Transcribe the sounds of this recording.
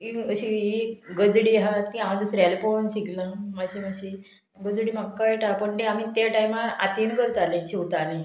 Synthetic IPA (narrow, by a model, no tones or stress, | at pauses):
iəɕiiɡəd̪ɽiɦat̪iamad̪usɾalfonɕiɡlãmad͡ʑimaɕi | ɡəd̪ɽiːmakːajʈapəɳʈ̪eam̤it̪aʈajmaɾa̰t̪iːnkəɾt̪alẽt͡ɕiwt̪anẽ